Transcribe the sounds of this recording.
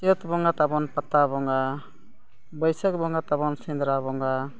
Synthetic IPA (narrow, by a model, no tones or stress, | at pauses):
tɔt̪bɔŋat̪abɔnpat̪ːabɔŋɡa | bɔjsək̚bɔŋɡat̪abɔnsind̪ɾaβɔŋɡa